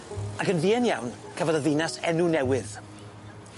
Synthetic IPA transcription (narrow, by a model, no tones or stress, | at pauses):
akənviːɛnjawnkʰəvadəðɪnasɛ̰nunɛwɨð